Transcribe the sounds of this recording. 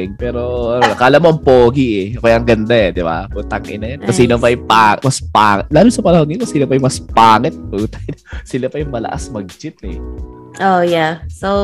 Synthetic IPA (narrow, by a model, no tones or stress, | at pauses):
ɪŋpɛːɾo̞ʔɐnonɐkaːlɐmoʔɐŋpoːɡiʔɛpɐjɐŋɡɐnd̪aɛd̪ɪba̰put̪ɐŋʔɪnɐjɐnkosiːnopɐɐjpaːmɐspaːŋɛt̪̚laːlonsɐpɐnɐhoŋɪk̪osilɐpɐjmɐspaːŋɛt̪̚put̪ɐnsɪlɐpɐjʊŋmɐlɐ̰ʔa̰smɐɡ̚t͡ʃɪt̪ɛ̰ | ʔojaso